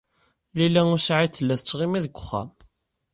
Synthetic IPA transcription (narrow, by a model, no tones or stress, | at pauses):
lilːæʊsʕiθəlːæθət͡sːʁimiðəɡʷʊ̥χːæ̰m